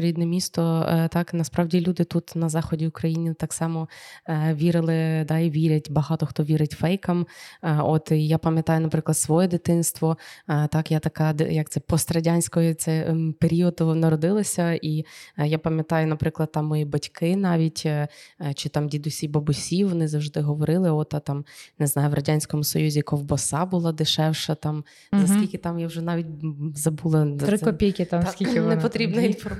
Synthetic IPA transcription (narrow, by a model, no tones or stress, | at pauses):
ɾʲid̪nɛmʲist̪ɔt̪ɑknɐspɾɑʋdʲilʲud̪ɪt̪ut̪nɐzɑxɔdʲiʊkɾɐjinʲɪt̪ɑksɑmɔ | ʋʲiɾɪlˠɪd̪ɑiʋʲiɾʲɐtʲbɐɦɑt̪ɔxt̪ɔʋʲiɾɪtʲfɛjkɐmot̪japɐmʲjɐt̪ɑjʊnɐpɾɪklˠɐd̪sʋɔjɛd̪ɪt̪ɪnst̪ʋɔt̪ɑkjat̪ɐkɑd̪jɐk̚t̪sɛpɔst̪ɾɐdʲanʲsʲkɔjɛt̪sɛpeɾʲiɔd̪nɐɾɔd̪ɪlˠɔsʲɐijapɐmʲjɐt̪ɑjʊnɐpɾɪklˠɐd̪̚t̪ɑmːɔjibɐtʲkɪnɑʋʲitʲ | t͡ʃɪt̪ɑmdʲid̪ʊsʲibɐbʊsʲiʋɔnɪzɐwʐd̪ɪɦɔʋɔɾɪlˠɪɔt̪ɐt̪ɑmnɪznɑjʊʋrʔɐdʲanʲsʲkɔmʊsɔ̰juzʲikɔwbɔsɑbʊlˠɑd̪ɪʃɛwʃɐt̪ɑm | zɐskʲilʲkʲɪt̪ɑmjawʒɛnɑʋʲit̚ʲzɐbulˠɐt̪ɾɪkɔpʲijkʲɪt̪amkiɪnɛpɔt̪ɾʲibnɐinfɔrm